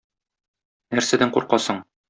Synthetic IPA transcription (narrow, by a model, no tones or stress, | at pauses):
næɾsæd̪æŋqṵɾqɑsɤɴ